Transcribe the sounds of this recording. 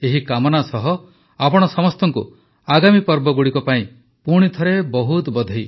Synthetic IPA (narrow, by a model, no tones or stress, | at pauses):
eɦikamɔnasɔɦɔ | apɔɽ̃ɔsɔmɔst̪ɔŋkṵ | aɡamipɔɾbɔɡuɽikɔpaĩ | puɽ̃it̪ʰɔɾebɔɦut̪bɔd̪ʱɔj